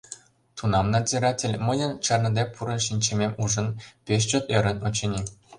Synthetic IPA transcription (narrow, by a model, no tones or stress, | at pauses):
t̪unɑmnɑzʲeɾɑtʲĕlʲmɤ̆jɤ̆nt͡ɕɑrnɤ̆d̪ʲepʰuɾɤ̆nʃinʲt͡ɕĕmʲemuʒɤ̆npʲeɕ̬t͡ɕŏt̪ĕɾʲə̆nŏt͡ɕɤ̆nʲi